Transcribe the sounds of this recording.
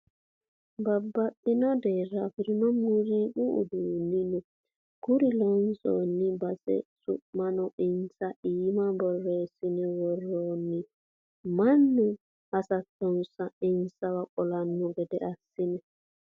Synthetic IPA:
babːaɗɪnɔd̪ɛːɾafɪɾinɔmuɾikuṵd̪unːinɛ | ɡ̥uɾilɔnsɔ̰nːibasɛ̰sʊ̰ʔmanɔɪnsaʔiːmabɔrːesɪnɛwɔrːɔːnːi | manːɛ | asat̪ːɔnsaɪnsawakʼɔlanːɔɡɛd̪ɛʔasːɪnɛ

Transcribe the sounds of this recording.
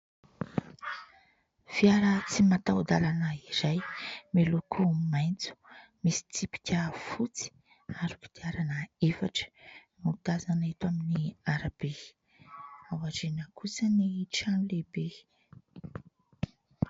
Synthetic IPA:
viaɾət͡simat̪awd̪alanəizajmelukʰumajnt͡su̥ | misi̥t͡sipi̥kʲəfut͡si̥ | aɾu̥ku̥d̪̥iaɾanəefaʈ͡ʂə̥ | mud̪azanit̪uaminiaɾab̥e | awazenəkʰusəniʈ͡ʂanulebe

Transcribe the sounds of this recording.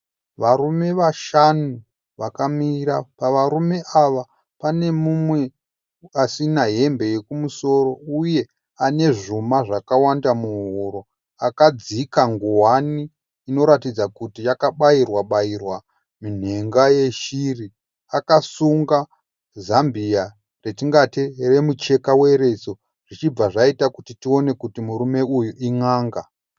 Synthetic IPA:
ʋaɾume̞ʋaʃanu | ʋakamira̰paʋaɾume̞ʔaʋa | pane̞mumwe̞ | asinaɦe̞mbe̞je̞kumuso̞ɾo̞uje̞ | ane̞ʐumaʐakawandamuɦoɾo̞ | akad͡zikaŋɡowaniː | no̞ɾatid͡zakutijakaɓairwaɓairwa | min̤e̞ŋɡaje̞ʃiri | akasuŋɡa | zambija | re̞tiŋɡatire̞mut͡ʃe̞kawe̞ɾe̞so̞ | ʐ̥it͡ʃib͡vaʐaitakutitio̞ne̞kutimuɾume̞ujuʔiŋaːŋɡa

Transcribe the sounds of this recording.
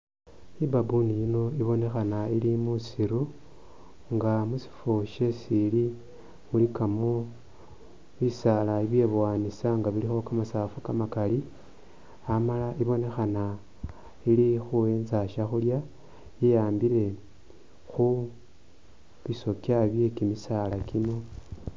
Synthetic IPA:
ibabunijino̞iβo̞ne̞xanailimusiɾu | ŋɡamusi̥foʃesili | mulikamu | βisalaiβje̞βwaːnisaŋɡaβilixo̞kamasafukamakali | amalaʔiβo̞ne̞xana | ilixue̞ːnzaʃaxulja | jijaːmbiɾe̞ | xu | βiso̞kjaβje̞kimisalakino̞

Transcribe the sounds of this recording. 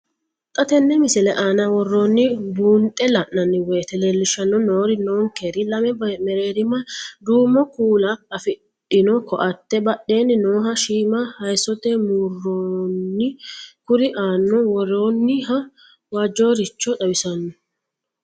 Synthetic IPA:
t̪ʼɐt̪ɛnːɛmɪsɛlɛʔaːnɐwɔrːo̞ːnːɪbuːnt̪ʼːɛlɐʔnɐnːɪweːt̪ɛleːlːɪʃɐnːɔnoːɾɪnoːŋkeɾɪlɐmɛmɛɾeːɾɪmɐd̪uːmɔkuːlaɐfɪᶑ | ɪnɔkɔʔɐt̪ːɛbɐɗe̞ːnːɪnoːɦɐʃiːmɐhɐjsɔt̪ɛmuːrːoːnːɪkʊɾɪʔaːnːɔwɔɾoːnːɪɦɐ | waːd͡ʒo̞ːɾɪt͡ʃːɔt̪ʼɐwɪsɐnːɔ

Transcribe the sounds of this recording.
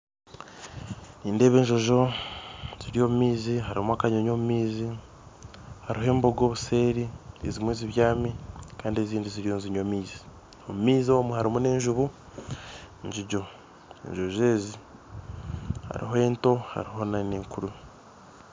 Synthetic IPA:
niːnde̞ːβe̞ːɲʒo̞ʒo̞ | z̥iɾijo̞ːmumiːziɦaɾimuakaɲoɲo̞ːmumiːzi | haɾiɦe̞ːmboɡo̞ːβuse̞ːɾiezimwiːziβjaːmikaːndie̞ziːndiziɾijo̞nziɲomiːzi̥ | omumiːzo̞muhaɾimune̞ːɲʒuβu | ɲd͡ʒiɟo̞ | ḛɲʒo̞ʒe̞ːzi | ha̰ɾḭɦoe̞ːnto̞ha̰ɾiɦo̞naniːŋkuɾu

